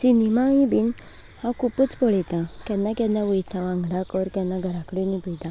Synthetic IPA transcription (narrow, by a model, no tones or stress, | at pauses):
sinimaĩbin | hãkʰupət͡spɔɭɛjt̪ãkjanːakanːaʋəjt̪ʰaʋãŋɡɽakɔɾkjanːaɡʱəɾakəɽinipəjt̪ã